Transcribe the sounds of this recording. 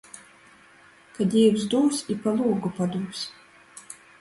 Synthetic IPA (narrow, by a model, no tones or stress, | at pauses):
kad̪ʲɛjuwzd̪uːsʲipalˠuːɡupad̪uːsʲ